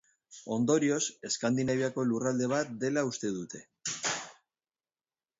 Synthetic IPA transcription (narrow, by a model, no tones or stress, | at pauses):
o̞nd̪o̞ɾio̞se̞skand̪inaβiako̞lurald̪e̞β̞at̪̚d̪e̞laust̪e̞ðut̪e̞